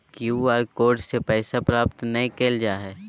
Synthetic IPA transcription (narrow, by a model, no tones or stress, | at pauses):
kjuːaːɾkoːɖsepɛːsapɾaːp̚t̪nɐɦĩkeːld͡ʒaːɦɛː